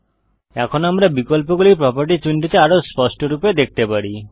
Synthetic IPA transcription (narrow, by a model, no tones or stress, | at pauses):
ɛkʰɔnoamɾabikɔlpɔɡulipɾɔpaɾʈit͡ʃuɳʈit̪eaɾospɔsʈɔɾuped̪ekʰt̪epaɽi